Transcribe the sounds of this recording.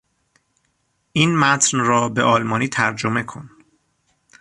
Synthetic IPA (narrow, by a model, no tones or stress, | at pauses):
ʔiːnmæt̪ʰnrɒːbeʔɒːlmɒːniːt̪ʰæɾd͡ʒome̞kʰo̞n